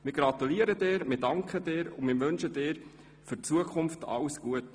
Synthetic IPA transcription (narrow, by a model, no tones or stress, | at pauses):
mɪːɾɡɾɑt̪uliəɾədeːɾmɪdɑŋkχədeːɾʊmɪːɾʋønʃədɪːɾ | fyɾt͡suəkʰʊmftʰɑ̰lsɡ̥uət